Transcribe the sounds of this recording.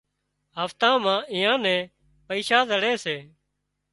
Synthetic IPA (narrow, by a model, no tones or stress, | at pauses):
ɦəft̪ãːmãːʔɪːãːnɛ̃ː | pəiːʃaːzəɽeːseː